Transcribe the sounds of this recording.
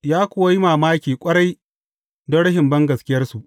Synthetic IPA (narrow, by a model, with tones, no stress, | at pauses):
jaː˦kʷʊ˦wa˦ji˦maː˨maː˦kʲiː˨kʷʼɐ˦ɽɐ˦j | dɐ˦ɽɐ˦ɦɪ˨mbɐ˦ŋɡɐ˨skʲɪ˦jɐ˦rsu˨ʔ